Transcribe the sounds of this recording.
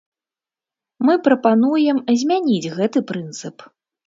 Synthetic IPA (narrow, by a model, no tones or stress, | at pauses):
mɨpɾɐpanujɛmzʲmʲanʲid͡zʲɣɛt̪ɨpɾɨnt̪sɨp